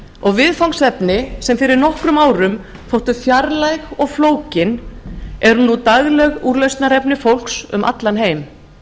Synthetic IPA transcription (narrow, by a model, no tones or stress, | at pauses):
ɔɣvɪðfawŋksɛpnɪsɛmfɪɾɪɾnɔhkɾʏmaːwɾʏm | θowht̪ʏfjaɾlajɣɔɣfloːwcɪnɛɾnut̪aɣlɛɣuːɾleɥst̪naɾɛpnɪfowl̥ksʏ̰mʔa̰t̪lanɦeːjm